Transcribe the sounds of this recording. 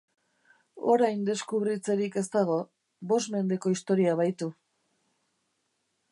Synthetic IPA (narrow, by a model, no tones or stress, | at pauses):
o̞̰ɾajnd̪e̞skuβɾit͡se̞ɾike̞st̪aɣo̞ | bo̞sme̞nd̪e̞ko̞ist̪o̞ɾiaβ̞ajt̪u